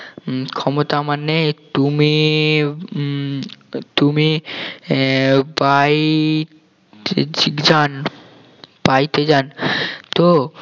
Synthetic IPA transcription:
kʰɔmot̪amanːet̪umi | t̪umi | baj | d͡ʑid͡ʑan | b̥ajt̪ed͡ʑant̪o

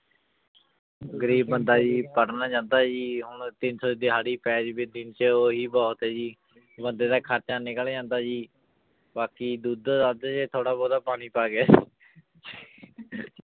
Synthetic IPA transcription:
ɡəɾiːbːənd̪aːd͡ʒiːpəɽnaːd͡ʒãːnd̪aːd͡ʒiːɦʊɳt̪ɪnsɔːd̪iːɦaːɽiːpɛːd͡ʒbɪd̪ɪnt͡ʃəoːɦiːbɔːt̪ɦɛːd͡ʒiː | bənd̪eːd̪aːkʰəɾt͡ʃaːnɪkəld͡ʒãːnd̪aːd͡ʒiː | baːkiːd̪uːd̪ad͡ʒaːd͡ʒeːt̪ʰoːɽaːbɔːd̪aːpaːɽ̃iːpaːɡaː | d͡ʒiː

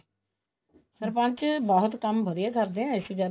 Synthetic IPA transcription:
səɾpə̃ɲt͡ʃbɔːʊt̪kəmbəd̪ijaːkəɾd̪eːɛ̃əsiːɡə

